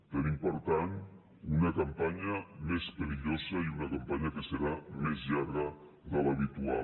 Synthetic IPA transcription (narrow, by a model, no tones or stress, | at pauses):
t̪ənimpoɾt̪an | unəkampaɲəmespəɾiʎozəiunəkampaɲəkəsəɾamezʎaβɾə | ðələβit̪ua̰